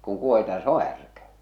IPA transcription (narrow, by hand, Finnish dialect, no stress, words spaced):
kuŋ kuohitɑ se o hærkæ